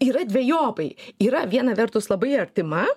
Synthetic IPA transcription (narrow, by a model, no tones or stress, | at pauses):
iːɾɐd̪ʲʋʲɛjoːpɐɪiːɾɐʋʲiɛnɐʋʲɛɾt̪ʊslˠɐbɐɪɐɾʲt̪ʲɪmɐ